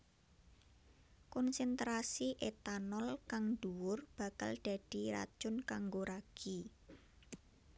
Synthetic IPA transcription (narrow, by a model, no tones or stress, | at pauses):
kɔnsɛnt̪ɾasiʔet̪anɔlkaŋɖ̥uwʊrb̥a̤ka̰lɖ̥ä̤ɖ̥i̤ɾa̰d̥ʒ̥ʊ̤nkaŋɡoɾaɡ̥i